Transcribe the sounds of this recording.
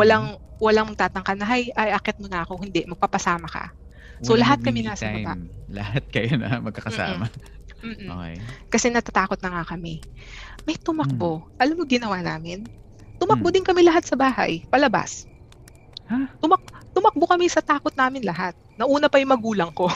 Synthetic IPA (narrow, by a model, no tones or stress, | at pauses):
wɐlaŋwɐlaŋmɡ̚t̪aːt̪ɐŋkɐnɐɦajʔɐjʔɐkɛt̪̚monɐʔɐko̞hɪnd̪ɛmɐɡ̚papɐsaːmɐkɐ̰ | solɐɦat̪̚kɐmɛnaːsɐpa̰lɐ̰hat̪̚kɐjonɐ̰mɐɡ̚kɐkɐsa̰ːmɐ | m̩ːokɛ̰jkɐsɛnɐt̪at̪aːko̞t̪̚nɐŋakɐmɛmɐjt̪ʊmɐk̚boʔɐlamːoɡɪnɐwaːna̰ːmɪn | t̪ʊmɐkbod̪ɪnkɐmɛlɐɦat̪̚sɐbaːhɐ̰jpɐlɐba̰s | t̪ʊmɐkt̪ʊmɐk̚bokɐmɛsɐt̪aːkot̪̚naːmɪnlɐɦat̪̚nɐʔuːnɐpɐjʊŋmɐɡuːlɐŋko̞